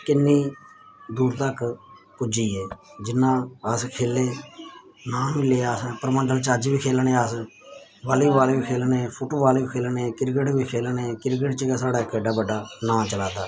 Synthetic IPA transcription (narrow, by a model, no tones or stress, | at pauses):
kɪnːiː | d̪uːɾt̪ək | kʊd͡ʒiːɛːd͡ʒɪnːãːəskʰeːleː | nãːmileːaːspəɾmə̃nd̪əlt͡ʃaːd͡ʒʋiːkʰeːlɳeːəs | ʋaːliːʋaːleːʋiːkʰeːlnẽːpʰoːʈoːʋaːliːkʰeːlneːkɪɾk̬əʈʋiːkʰeːlnekɪɾk̬əʈt͡ʃəkasaːɽaːkeɖaːbəɖaːnãːt͡ʃəlaːt̪aː